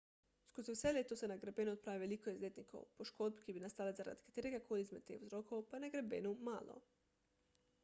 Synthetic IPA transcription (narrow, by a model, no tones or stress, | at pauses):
skoziwselʲet̪osenaɡɾabenuot̪̚pɾaːʋiʋelikoezlʲet̪niko̰wṵpoʃkod̪̚bikibinast̪alezaɾa̰d̪kḁt̪eɾeɡakʰoliizmed̪̚t̪exuzɾokowpanaɡɾabenuma̰ːlo̰